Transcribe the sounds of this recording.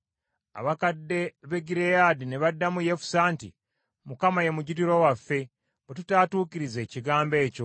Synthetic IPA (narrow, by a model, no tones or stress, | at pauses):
a̰βakadːe̞βeɡiɾejaːdineβadːamujefu̥saːntḭ | mukamaje̞muɟitiɾo̞wafːe̞ | βetutaːtuːkiɾize̞ːciɡaːmbe̞ːco̞